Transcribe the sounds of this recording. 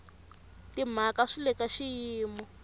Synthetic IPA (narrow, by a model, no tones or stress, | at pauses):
tim̤akaʂilɛkaʃijiːmɔ